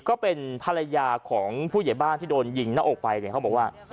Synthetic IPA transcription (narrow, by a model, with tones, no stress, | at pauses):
kɔː˥˩pe˧npʰa˧ɾa˧jaː˧kʰɔː˩˦ŋpʰuː˥˩ja˩˦jbaː˥˩nt̪ʰiː˥˩doː˧nji˧ŋnaː˦˥ʔoː˨˩k̚pa˧jkʰa˦˥bɔ˨˩waː˥˩